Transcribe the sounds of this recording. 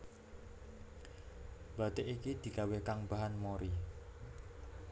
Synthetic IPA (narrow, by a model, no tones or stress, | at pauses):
b̥a̤d̪eʔikid̪̥i̤kawekaŋbaɦanmoɾi